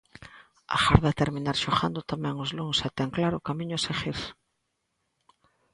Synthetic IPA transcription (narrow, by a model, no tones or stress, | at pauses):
a̰xaɾðat̪eɾminaɾʃoxand̪ʊt̪amɛ̃ŋʊzluŋset̪ɛŋklaɾʊkamĩɲʊseɣiɾs